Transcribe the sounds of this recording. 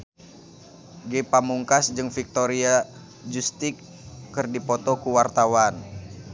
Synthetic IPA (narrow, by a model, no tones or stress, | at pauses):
ɡepamuŋkasd͡ʒɨŋfik̚t̪oɾia | d͡ʒust̪ikː | ɨrdipɔt̪ɔkuwart̪awan